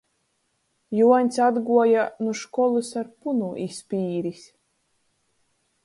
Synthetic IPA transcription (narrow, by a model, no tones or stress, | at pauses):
juɔɲʲsad̪ɡuɔjanuʃkɔlˠusaɾpunuʔispʲiːɾis